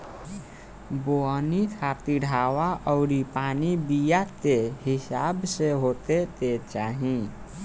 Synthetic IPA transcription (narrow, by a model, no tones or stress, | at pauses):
boənit̪ʰat̪iɖʱawaʔəʊɾipanibijat̪eɦisabseɦot̪et̪et͡ʃaɦĩ